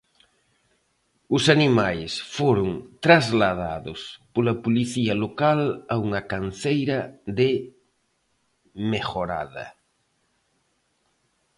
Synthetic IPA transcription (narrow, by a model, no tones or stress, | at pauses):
ʊsanimajsfoɾʊŋt̪ɾazlaða̰ðʊspolapoliθiɐlokalauŋɐkanθejɾɐðe | mexoɾa̰ðɐ̰